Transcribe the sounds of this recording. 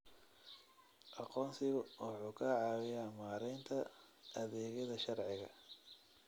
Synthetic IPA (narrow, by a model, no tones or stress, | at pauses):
ʔɑqɔːnsɪɣʊwɑħuːkʰɐʕɑːwɪjamaːɾɛjnt̪ʰɐ | ʔɐðɛːɣɐðɐʃɑrʕɪɣɐ̰